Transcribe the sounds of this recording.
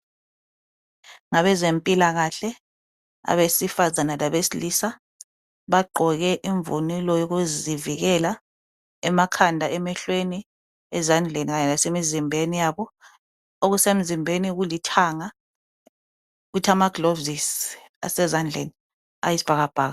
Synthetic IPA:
ŋaɓɛzempʼilaɣ̬aɬɛ | a̰ɓesifazanalaɓesilisa | ɓaɡ͡ǃʱɔɣ̬ɛʔiɱvunilɔjok̬uziviɣ̬ɛla | ɛmakʰandʱaʔɛmɛɬweni | ɛzand͡ɮʱeniɣaɲɛlasemizimbʱenijaɓɔ | ok̬usem̩zimbʱeniɣ̬ulitʰaŋa | k̬utʰamaɡ̥lovis | a̰sɛzand͡ɮʱḛni | a̰jisi̥b̥ʱaɣ̬ab̥ʱaːɣa

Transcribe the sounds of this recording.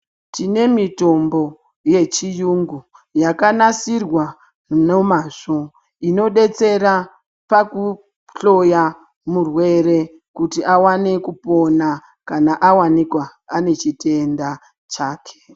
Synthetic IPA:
tine̞mito̞mbo̞ | je̞t͡ʃijuŋɡu | jakanasirwa | nomaːʐo | ino̞ɗe̞t͡se̞ɾa | paku | ɬo̞ja | murwe̞ɾe̞ | kutiʔawane̞kupo̞na | kanaʔawanikwaːne̞t͡ʃite̞nda | t͡ʃaːkʰe̥

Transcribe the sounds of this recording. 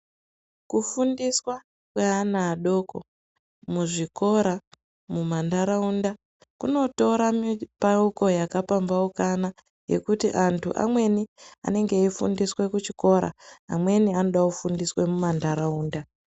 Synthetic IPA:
kufundiswa | kweanaːɗo̞ko̰ | muʐiko̞ɾa | mumandaɾaunda | kṵno̞to̞ɾamipauko̞jakapambaukana | je̞̰kutiʔantʰṵʔa̰mwe̞nia̰ne̞ŋɡe̞ifṵndiswe̞kut͡ʃiko̞ɾa̰a̰mwe̞niano̞ɗakufundiswe̞mumandaɾauːnda

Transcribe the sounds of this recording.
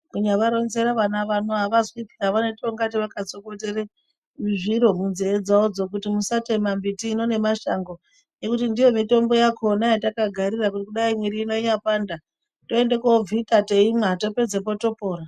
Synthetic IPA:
kuɲaʋaɾo̞nze̞ɾaʋanaʋanoɦaʋazipʰiaʋanetoŋɡat̬iʋakat͡so̞ko̞te̞re | ʐiɾo̞munzeːd͡zaod͡zo̞k̬utimusatemambitiːno̞ne̞maʃaŋɡo̞ | je̞kutindijo̞mito̞mbo̞jakʰo̞najatakaɡʱaɾirak̬utikuɗaimwiɾiːno̞ɲapanda | to̞endekovʱitate̞imato̞pe̞d͡zepo̞to̞po̞ːɾa

